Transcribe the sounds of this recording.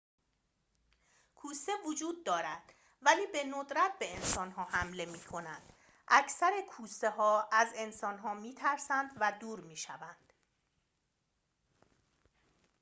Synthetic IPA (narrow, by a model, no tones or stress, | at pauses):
kʰuːsevod͡ʒuːd̪̚ːɒːɾæd̪̥ | væliːbe̞nod̪ɾæt̪̚ʰbe̞ensɒːnɦɒːhæmle̞miːkʰo̞nænd̪̥ | ʔæcʰsæɾekʰuːse̞ɦɒːæze̞nsɒːnɦɒːmiːt̪ʰæɾsænd̪væd̪uːɾmiːʃævænd̪̥